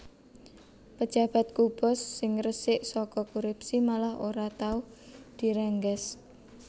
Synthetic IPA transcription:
pə̥d͡ʒ̥a̤b̥a̤t̪̚kub̥ɔsːɪŋrəsɪʔsɔkɔkuɾupsimalahoɾat̪auh | d̪̥i̤ɾɛŋɡɛs

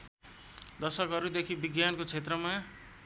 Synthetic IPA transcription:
d̪ʌsʌkɦʌɾud̪ekʰibiɡjankot͡sʰet̪rʌma

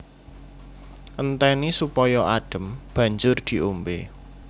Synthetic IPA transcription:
ʔənt̪ɛnisupɔjɔʔaɖ̥ə̤mb̥ä̤ɲd͡ʒʊrd̪̥i̤ʔombe

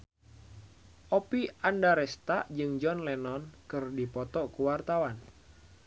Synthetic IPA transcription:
ʔɔpiandaɾɛst̪aʔd͡ʒɨŋd͡ʒɔnlɛnɔnkɨrdipɔt̪ɔʔkuwart̪awan

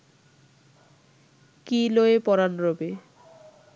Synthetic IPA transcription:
kiloepɔɾanɾobe

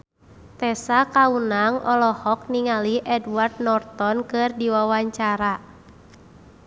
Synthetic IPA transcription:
t̪ɛsakaunaŋɔlɔhɔk̚niŋaliʔɛdward̚nɔrt̪ɔnkɨrdiwawaɲt͡ʃaɾa

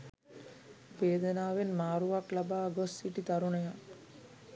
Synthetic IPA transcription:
ʋeːd̪ənaːʋenmaːɾuʋaklabaːɡosːiʈit̪aɾuɳəja

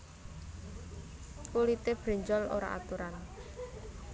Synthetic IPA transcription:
kulit̪eb̥ɾe̤ɲd͡ʒɔlo̰ɾa̰ʔa̰t̪uɾan

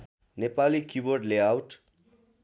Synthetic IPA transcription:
nepalikjuborɖleawʈ

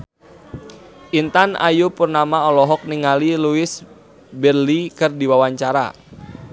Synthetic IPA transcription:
ʔint̪ana̰jupurnamaɔlɔɦɔk̚niŋaliluɪs | bɛrlikɨrdiwawaɲt͡ʃaɾa̰

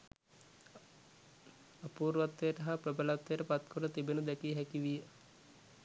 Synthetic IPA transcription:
apuːɾʋat̪ːejəʈəɦaprəbəlat̪ːejəəpat̪kʰoɾət̪ibenud̪ɛkiɦɛkiʋijə

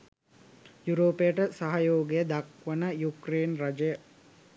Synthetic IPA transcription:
juɾoːpejəʈəsaɦajoːɡejəd̪ɐkʋənəjukɾeːnrɐd͡ʒəjə

